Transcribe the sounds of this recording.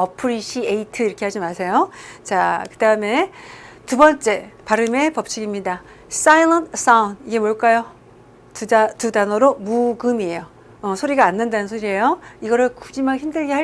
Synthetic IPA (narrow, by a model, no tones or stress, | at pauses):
ʌpʰɯɾiɕʰieitʰɯiɾʌkʰe̞had͡ʑimasʰe̞jot͡ɕakɯdaɯme̞ | tubʌnt͡ɕ͈e̞paɾɯme̞pʌp̚t͡ɕʰiɡimɲida | s͈ailʌntʰs͈auniɡe̞moɭk͈ajo | ttudanʌɾomuɡɯmie̞joː | sʰoɾiɡaːnːɯndanɯnsʰoɾie̞joiɡʌɾɯɭku̥d͡ʑimançimdɯɭɡeɦa